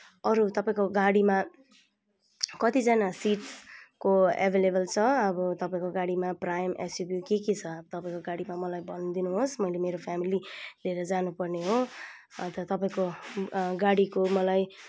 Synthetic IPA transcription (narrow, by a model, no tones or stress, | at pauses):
ʌɾut̪ʌpaĩkoɡaɽima | kʌt̪id͡zanasiʈskoa̰bʱelebʌlt͡sʰʌʌbʌt̪ʌpaĩkoɡaɽimaprajmʔḛsjubjukekit͡sʰʌt̪ʌpaĩkoɡaɽimamʌlajbʱʌnd̪inuɦosmʌjlemeɾopʰjamilid̪ʱeɾʌd͡zanupʌrneɦo | ʌt̪ʌʌt̪ʌpaĩko | ɡaɽikomʌlaj